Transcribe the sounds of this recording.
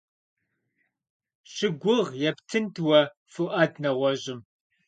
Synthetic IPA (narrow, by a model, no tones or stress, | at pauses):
ɕɪɡʷʊʁjɛptʰɨntʰwɐ | fʊʔɐdnɐʁʷɔʑɪm